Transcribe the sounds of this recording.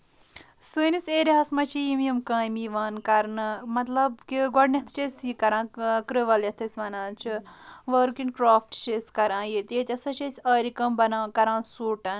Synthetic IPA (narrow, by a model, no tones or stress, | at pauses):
sɨːnisʲeːɾiɦɐːsmɐt͡ʃʰijimjɐmkãːmiːʋaːnkɐɾnɨmɐt̪lɐbkiɡɔɖnʲɐt̪ʰt͡ʃesʲiːkɐɾãːkɾɨʋɐljɐt̪ʰɐsʲʋɐnaːt͡ʃʰiʋɐːɾkinkɾaːfʈt͡ʃesʲkɐɾãːjet̪et̪ʲɐsɐt͡ʃɐsʲɐːɾikɐmbɐnãːkɐɾãːnsuːʈɐn